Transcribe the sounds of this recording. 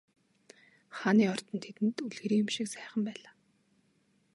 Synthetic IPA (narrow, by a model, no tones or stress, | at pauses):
χaniːɔr̥t̪ɞ̆nt̪ʰet̪ɘ̆nt̪uɮɣɘ̆ɾiːjʊ̆mʃĭksæːχə̆mpæːɮaː